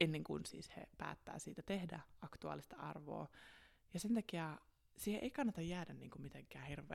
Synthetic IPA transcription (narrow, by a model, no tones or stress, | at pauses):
enːeŋkunsḭːshḛpæ̰ːt̪ːæ̰ːsiːt̪æt̪ehdæ̰ɑkt̪uɑ̰ːlist̪ɑɑ̰rʋo̰ː | jɑsent̪ɑkiæ | siːheʔeikɑnːɑt̪ɑjjæːdænniːŋkumit̪eŋkæːhirʋˑḛː